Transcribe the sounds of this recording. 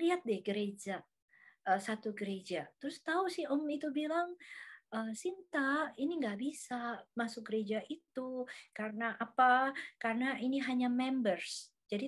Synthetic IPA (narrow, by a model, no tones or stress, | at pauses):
liat̪̚dɛɡəɾed͡ʒa | əsat̪uɡəɾed͡ʒat̪ɾʊst̪ausɪhɔmit̪ubilaŋʔəsint̪ainiŋɡaʔbisamasʊk̚ɡəɾed͡ʒaʔit̪ukarənaʔapakarənainiɦaɲamɛmbərs | d͡ʒadi